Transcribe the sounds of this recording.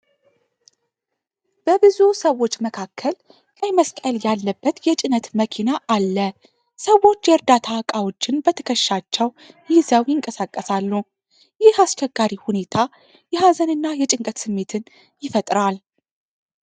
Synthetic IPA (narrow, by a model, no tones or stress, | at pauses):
b̥əbɨzusəwːo̞t͡ʃːməkʰakʰːəl | lajməskʼəljalːəbːət̪jɛt͡ʃʼɪnət̪məkʰinaʔalːə | səwo̞t͡ʃːjɛɾd̪at̪ʰawkʼawo̞t͡ʃːɪnbət̪ʰə̥kʰəʃːat͡ʃːɛw | jɪzəwjɪŋkʼəsakʼːəsalːu | jɪhast͡ʃɛɡːaɾihune̞t̪ʰa | jɛɦazənɨnːajɛt͡ʃʼɪŋkʼət̪sɨmːe̞t̪ʰɨn | jɪfət̪ʼɾal